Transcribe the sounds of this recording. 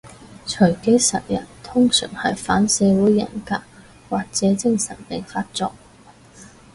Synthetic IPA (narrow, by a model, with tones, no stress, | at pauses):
t͡ʃʰɵ˨˩ke˨˥jsɐ˨t̚jɐ˨˩nt̪ʰʊ˥ŋsœ̰ː˨˩ŋhɐ˨jfaː˨˥nsɛː˨˧wuː˨˥jːɐ̰˨˩nkaː˧k̚ | waː˨k̚t͡sɛː˨˥t͡sɪ˥ŋsɐ˨˩npe˨˩faː˥t̚t͡sɔː˧k̚